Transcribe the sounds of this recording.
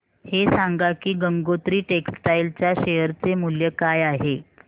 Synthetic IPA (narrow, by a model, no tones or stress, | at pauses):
hesaŋɡakiːɡəŋɡot̪ɾiːʈeksʈailt͡ɕjaɕejəɾt͡semuljəkajaɦe